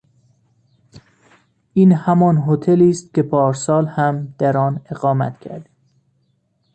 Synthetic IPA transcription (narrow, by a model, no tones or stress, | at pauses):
ʔiːnhæmɒːnɦot̪ʰeliːst̪̚cʲepʰɒːɾsɒːlhæmd̪̥æɾɒːne̞ɣɒːmæ̰t̪cʰæ̰ɾd̪iː